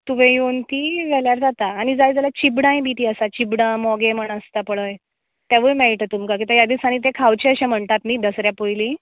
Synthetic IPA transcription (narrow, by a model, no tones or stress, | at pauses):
t̪uʋẽjont̪iʋɛljaɾd͡zat̪aːɽ̃id͡zajd͡zalat͡ɕibɽãj̃bit̪iːəsat͡ɕibɽãmɔɡeməɳəst̪apəɽəj | t̪jaʋəjmɛɭʈət̪umkak̬it̪əjad̪iːsaɽ̃ĩt̪ẽkʰawt͡ɕeəɕɛ̃m̤əɳt̪at̪nid̪əsɾjapojlĩ